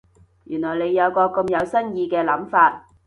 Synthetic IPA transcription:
jyː˨˩nɔː˨˩jle˨˧jːɐ˨˧wkɔː˧kʊ˧mjɐ˨˧wsɐ˥njiː˧kɛː˧lɐ˨˥mfaː˧t̚

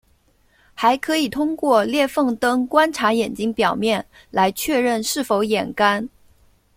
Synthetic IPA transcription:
xa˧˥ɪkʰɤ˧˥i˨˩t̪ʰʊ˥ŋkwɔ˥˧ljɛ˥˧fɤ˥˩ŋt̪ɤ˥ŋkwa˥nʈ͡ʂʰa˧˥jɛ˨˩nt͡ɕi˥ŋpjɑ˨˩ʊmjɛ˥˩n | la˧˥ɪt͡ɕʰɥɛ˥˧ɻə˥˧nʂɻ̩˥˩fo˧˥ʊjɛ˨˩nka˥n

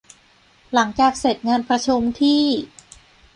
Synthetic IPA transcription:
la˩˦ŋt͡ɕaː˨˩k̚se˨˩t̪̚ŋaː˧npʰɾa˧t͡ɕʰu˧mt̪ʰiː˥˩

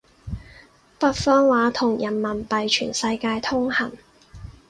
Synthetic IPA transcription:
fɐ˧t̚fɔː˧nwaː˨˥t̪ʰʊ˨˩ŋjɐ˨˩nmɐ˨˩npɐ˨jt͡ʃʰy̰ː˨˩nsɐ˧jkaː˧jt̪ʰʊ˥ŋhɐ˨˩n

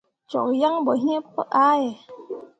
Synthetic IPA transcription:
t͡ɕo̰˨˩k̚ja˧˦ŋbɔ˨ɦi˧˦ə˦pːa˧ʔʔa˧˦˨j

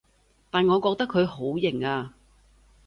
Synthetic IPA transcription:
t̪aː˨nŋɔː˨˧kɔː˧k̚t̪ɐ˥kʰːɵ˨˧ɥho˨˥wjɪ˨˩ŋaː˧

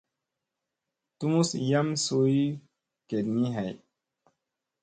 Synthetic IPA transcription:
tu˦mu˦sja˦mso˨i˦ | ke˨dni˦ɦa˨j

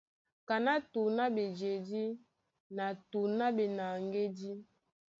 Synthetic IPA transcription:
ka˨na˦tu˨na˦be˨d͡ʒe˨di˦ | na˨tu˨na˦be˨na˨ŋɡe˦di˦

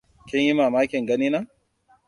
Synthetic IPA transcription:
kʲɪ˦ɲji˦maː˨maː˦kʲɪ˨ŋɡɐ˦niː˦na˦

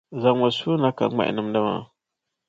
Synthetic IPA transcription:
za˨ŋwa˨su˦na˦ka̰˨˦ma̰˦˨ʔḭ˨nə˦mda˦ma̰˨

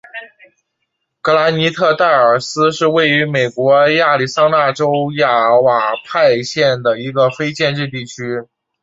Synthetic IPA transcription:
kɤ˧˥la˧˥ni˧˥t̪ʰɤ˥˧t̪a˥˩ɪə˞˨˩sɹ̩˥ʂɻ̩˥˧we˥˩ɪy˧˥me˨˩ɪkwɔ˧˥ja˥˩li˥˩sɑ˥ŋna˥˩ʈ͡ʂo˥ʊja˥˩wa˨˩pʰa˥˧ɪɕjɛ˥˩nd̪ə˩i˧˥ɡə˧fe˥ɪt͡ɕjɛ˥˧nʈ͡ʂɻ̩˥˧t̪̬i˥˩t͡ɕʰy˥

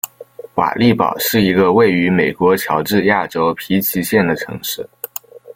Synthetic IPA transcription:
wa̰˨˩li˥˩pɑ̰˨˩ʊʂɻ̩˥˩i˧˥ɡə˧we˥˩ɪy˧˥me˨˩ɪkwɔ˧˥t͡ɕʰjɑ˧˥ʊʈ͡ʂɻ̩˥˧ja˥˩ʈ͡ʂo˥ʊpʰi˧˥t͡ɕʰi˧˥ɕjɛ˥˩nd̪ə˩ʈ͡ʂʰɤ̰˧˥ŋʂɻ̩˥˩

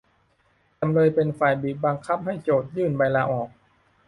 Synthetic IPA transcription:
t͡ɕa˧mɾɤː˧jpe˧nfaː˨˩jbiː˨˩t̪̚ba˧ŋkʰa˦˥p̚ha˥˩jt͡ɕoː˨˩t̪̚jɯː˥˩nba˧jlaː˧ʔɔː˨˩k̚

